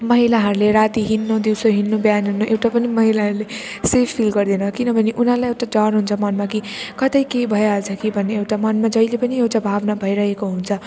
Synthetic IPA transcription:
mʌɦilaɦʌɾleɾat̪iɦinːod̪iwsoɦinːobjanɦunːoʔewʈapʌnimʌɦilaɦʌɾlesepʰpʰːilɡʌɾd̪enʌkinʌbʱʌneʔunɦalajewʈad͡zʌnɦunt͡sʰʌmʌnmakikʌt̪ʌjkeibʱʌeʌlt͡sʰʌkibʱʌnːeewʈamʌnmad͡zʌilepʌniewʈabʱabnabʱʌiɾʌɦekoɦunt͡sʰʌ

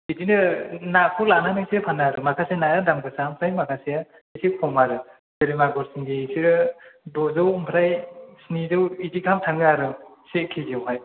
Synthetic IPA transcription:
idinɯnakʰulananɯsepʰanaɾɯmakʰasenajadamɡɯsampʰɾajmakʰaseja | isikʰɔmaɾɯ | seɾimaɡɔɾsiŋɡesiɾɯdɔzɯwmpʰɾajsinizɯwidikʰamtʰaŋɡɯaɾɯsekʰiɡewɦaj

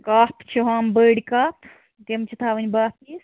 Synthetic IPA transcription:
kaːpt͡ʃʰiɦaːmbəːɽkaːpʰ | t̪emt͡ʃʰit̪ʰaːʋɨnʲbaːp̪is

